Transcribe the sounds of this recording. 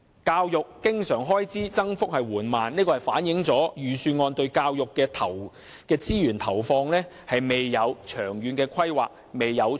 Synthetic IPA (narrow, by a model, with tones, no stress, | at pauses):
kaː˧wjʊ˨kːɪ˥ŋsœː˨˩ŋɦɔː˥jt͡siː˥t͡sɐ˥ŋfʊ˥k̚hɐ˨jwuː˨˩nmaː˨nniː˥kɔː˧hɐ˨˩jfaː˨˥njɪ˨˥ŋt͡sɔː˨˥jyː˨syː˧ŋɔː˧nt̪ɵ˧ɥkaː˧wjʊ˨kːɛː˧t̪ʰɐ˨˩w | kɛː˧t͡siː˥jyː˨˩nt̪ʰɐ˨˩wfɔː˧ŋlɛː˥ | hɐ˨jme˨˩jːɐ˨˧wt͡ʃʰœː˨˩ŋjyː˨˧nkɛː˧kʰɐ˥jwaː˨k̚ | me˨jːɐ˨˧w